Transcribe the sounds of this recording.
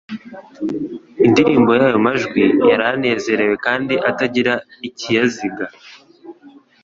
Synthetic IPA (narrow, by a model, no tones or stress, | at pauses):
indiɾiːmbo̞jajo̞maʒɡwijaɾane̞ːze̞ɾe̞we̞kaːndiʔataɟiɾaicijaziɡa